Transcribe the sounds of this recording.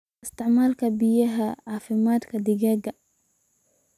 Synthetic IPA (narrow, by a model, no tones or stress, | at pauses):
ʔɪst̪ɪʕmaːlkabɪjaɦaʕaːfɪmaːt̪kad̪iɡɛɡa